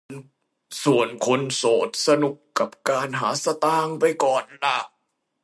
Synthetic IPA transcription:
n | su˨˩ənkʰo˧nsoː˨˩t̪̚sa˧nu˨˩kːa˨˩p̚kaː˧nɦaː˩˦sa˧t̪aː˧˩ŋpa˧jkɔː˨˩nla˧˩

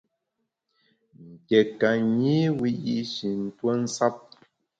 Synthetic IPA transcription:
ŋ̩˨kɛ˨ka˨ɲi˦wi˦ji˦ʔʃi˨n̩˦twə˦n̩˦sa˦p̚

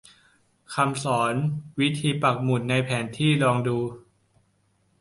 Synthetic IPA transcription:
kʰa˧msɔː˩˦nwi˦˥t̪ʰiː˧pa˨˩k̚mu˨˩t̪̚na˧jpʰɛː˩˦nt̪ʰiː˥˩lɔː˧ŋduː˧

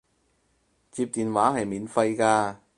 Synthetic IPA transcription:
t͡siː˧p̚t̪iː˨nwaː˨˥ɦɐ˨jmiː˨˥nfɐ˧jkaː˧

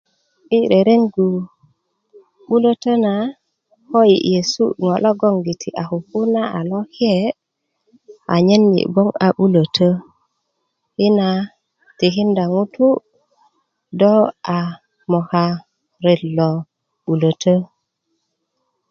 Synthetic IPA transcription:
ʔi˦ɾe˨ɾe˦ŋɡu˨ | ɓu˦lo˦tə˦na˨ | ko˦jḭ˨je˨sṵ˦ŋo˨lo˦ɡo˦ŋɡi˨tʰi˨ʔa˨ku˨ku˦na˦ʔa˨lo˦ki˦e˨ | a̰˨ɲe˦nːḭ˨bo˦ŋa˨ɓu˦lə˨tʰə˦ | i˦na˨ | ti˨ɦi˦nda˨ŋu˦tu˦ | do˦a˨ | mo˨ka˨ | ɾe˨lːo˨ | ɓu˨lə˨tʰə˦

